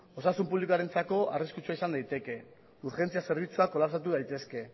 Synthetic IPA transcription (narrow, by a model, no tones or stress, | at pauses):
o̞sasumpuβlikuaɾe̞nt͡sako̞ariskut͡suaisand̪ajt̪e̞ke̞ | uɾxe̞nt͡siase̞ɾβ̞it͡suako̞lapsat̪̬uðajt̪e̞ske̞